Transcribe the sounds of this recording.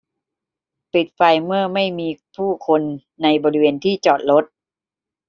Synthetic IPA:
pi˨˩t̪̚fa˧jmɯ˥˩ɐma˥˩jmiː˧pʰuː˥˩kʰo˧nː | a˧jbɔː˧ɾi˦˥weː˧nt̪ʰiː˥˩t͡ɕɔː˨˩t̪̚lo˦˥t̪̚

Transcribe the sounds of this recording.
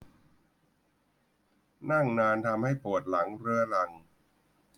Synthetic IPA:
na˥˩ŋnaː˧nt̪ʰa˧mha˥˩jpu˨˩ət̪̚la˩˦ŋɾɯ˦˥ɐla˧ŋ

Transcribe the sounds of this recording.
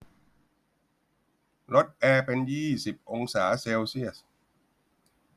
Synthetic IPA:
ɾo˦˥t̪̚ʔɛː˧pe˧njiː˥˩si˨˩p̚ʔo˧ŋsaː˩˦seː˧wsi˥˩əs

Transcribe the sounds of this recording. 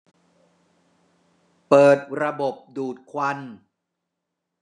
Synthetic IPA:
pɤː˨˩t̪̚ɾa˧bo˨˩p̚duː˨˩t̪̚kʰwa˧n

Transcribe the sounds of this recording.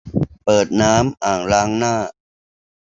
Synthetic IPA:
pɤː˨˩t̪̚naː˦˥mʔaː˨˩ŋɾaː˦˥ŋnaː˥˩

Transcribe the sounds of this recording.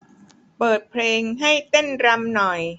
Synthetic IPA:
pɤː˨˩t̪̚pʰleː˧ŋɦa˥˩jt̪e˥˩nɾa˧mnɔ˨˩j

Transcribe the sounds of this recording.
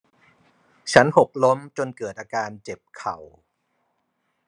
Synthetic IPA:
t͡ɕʰa˦˥nho˨˩p̚lo˦˥mt͡ɕo˧nkɤː˨˩t̪̚ʔaː˧kaː˧nt͡ɕe˨˩p̚kʰa˨˩w

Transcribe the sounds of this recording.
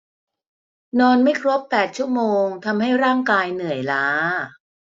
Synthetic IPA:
nɔː˧nma˥˩jkʰɾo˦˥pːɛː˨˩t̪̚t͡ɕʰu˥˩əmoː˧ŋt̪ʰa˧mɦa˥˩jɾaː˥˩ŋkaː˧jnɯ˨˩əjlaː˦˥

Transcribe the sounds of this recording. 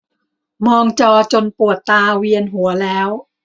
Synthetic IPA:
mɔː˧ŋt͡ɕɔː˧t͡ɕo˧npu˨˩ət̪ːaː˧wi˧ənɦu˩˦ɐlɛː˦˥w

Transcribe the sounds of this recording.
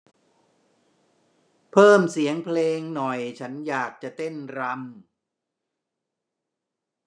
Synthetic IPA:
pʰɤː˥˩msi˨˩˦əŋpʰleː˧ŋnɔ˨˩jt͡ɕʰa˦˥njaː˨˩k̚t͡ɕa˨˩t̪e˥˩nɾa˧m

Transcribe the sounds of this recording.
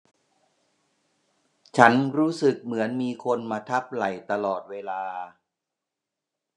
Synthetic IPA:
t͡ɕʰa˦˥nɾuː˦˥sɯ˨˩k̚mɯ˩˦ənmiː˧kʰo˧nmaː˧t̪ʰa˦˥p̚la˨˩jt̪a˧lɔː˨˩t̪̚weː˧laː˧

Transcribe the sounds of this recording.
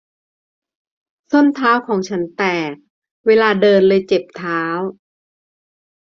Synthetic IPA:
so˥˩nt̪ʰaː˦˥wkʰɔː˩˦ŋt͡ɕʰa˦˥nt̪ɛː˨˩k̚ | weː˧laː˧dɤː˧nlɤː˧jt͡ɕe˨˩p̚t̪ʰaː˦˥w

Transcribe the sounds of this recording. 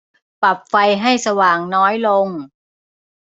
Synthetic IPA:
pa˨˩p̚fa˧jɦa˥˩jsa˧waː˨˩ŋnɔː˦˥jlo˧ŋ

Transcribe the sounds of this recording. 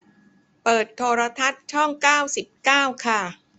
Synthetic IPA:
pɤː˨˩t̪ʰːoː˧ɾa˧t̪ʰa˦˥t̪̚t͡ɕʰɔ˥˩ŋkaː˥˩wsi˨˩p̚kaː˥˩wkʰa˥˩

